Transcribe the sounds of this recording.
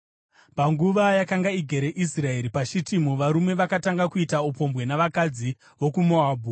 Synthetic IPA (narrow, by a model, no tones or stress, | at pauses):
paŋɡuʋajakaŋɡaiɡʱe̞ɾe̞ʔisrae̞ɾipaʃitimuʋaɾume̞ʋakataŋɡakuitaupo̞mbwe̞naʋakad͡zi | ʋo̞kumoaːbʱu